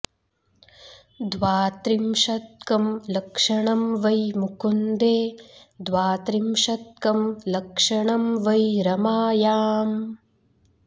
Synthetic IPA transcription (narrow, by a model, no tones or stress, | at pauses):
d̪ʋaːt̪ɾimʃɐt̪̚kɐmlɐkʂɐɳɐmʋɐjmukund̪eːd̪ʋaːt̪ɾimʂɐt̪̚kɐmlɐkʂɐɳɐmʋɐjɾɐmaːjaːm